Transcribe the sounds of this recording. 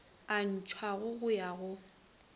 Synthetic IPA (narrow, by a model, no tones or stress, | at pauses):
an̩t͡ʃʰwaɣʊɣʊjaɣʊ